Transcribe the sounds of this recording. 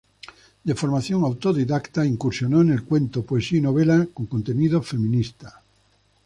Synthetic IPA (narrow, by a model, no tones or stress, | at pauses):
d̪efoɾmaθjoŋawt̪oðiðakt̪aiŋkuɾsjonoenelkwẽ̞nt̪opoesiinoβelakoŋkont̪eniðofe̞mĩnist̪a